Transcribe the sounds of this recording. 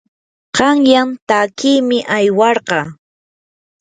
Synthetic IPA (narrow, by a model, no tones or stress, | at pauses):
qɑŋjamt̪akijmɪʔajwɑɾɢɑ